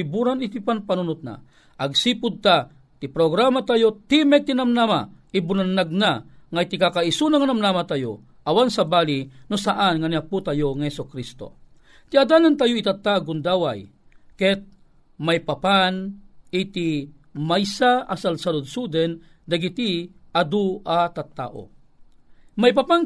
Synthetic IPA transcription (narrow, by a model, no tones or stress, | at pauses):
ibuɾanit̪ipanpanunʊt̪̚na̰ | ʔaɡ̚sipʊd̪̚t̪a | t̪ipɾoɡɾamat̪ajot̪imɛt̪inamnamaibunanːaɡ̚naŋajt̪ikakaisunaŋanamnamat̪ajo̰ | ʔawansabaːlinusaʔanŋaniaput̪ajoŋahɛsokɾist̪o̰ | t̪iad̪anant̪ajoit̪at̪ːaɡʊnd̪aːwa̰j | kɛt̪̚ | majpapanit̪i | majsaasalsaɾud̪sud̪ɛn | d̪ɐɡit̪iad̪uʔat̪at̪ːa̰ʔo̰ | majpapan